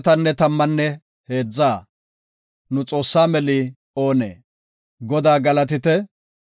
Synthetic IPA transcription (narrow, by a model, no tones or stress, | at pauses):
t̪ɐnːɛt̪ɐmːɐnːɛ | he̞ːd͡zːaː | nʊt͡sʼo̞ːsːaːmɛlɪ | o̞ːnḛː | ɡɔd̪aːɡɐlɐt̪ɪt̪ɛ